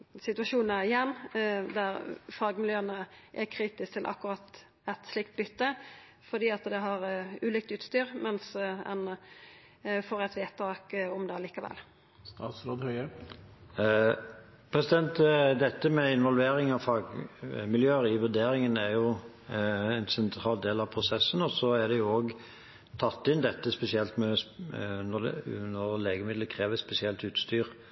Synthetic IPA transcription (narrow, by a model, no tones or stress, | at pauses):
sɪt̪ʉɑʃuːnnəɪjɛnːd̪æɾfɑːɡmɪljøːənəʔækʰɾiːt̪ɪs̚t̪ʰɪlʔɑ̰kːʉɾɑt̪ | ɛt̪slɪk̚t̪̚bʏt̪ːə | fɔd̪iːɑt̪d̪ɛɦɑɾʉːliːkt̪ʉːt̪st̪yːɾmɛnsɛ̰n | foːɾɛt̪ʋeːt̪ʰɑːkɔmd̪ɛɑliːkɑʋɛ̰l | st̪ɑːt̪sɾoːd̪hœʏə | pʰɾɛsɪd̪ɛnt̪d̪ɛt̪ːəmɛɪnʋɔlʋeːɾɪŋɑʋfɑɡmɪljøːɪʋʉɾd̪eːɾɪŋənæɾjʊ | ɛnsɛnt̪ʰɾɑːld̪eːlɑʋpʰɾʊsɛsːənɔsɔæd̪ɛjʊoːɡ | t̪ʰɑt̪ːɪnd̪ɛt̪ːəspɛsɪɛlt̪mɛ | nɔd̪ɛ̰nəʁleːɡəmɪd̪ləkʰʁeːʋəspɛsɪɛlt̪ʉːt̪st̪yːɾ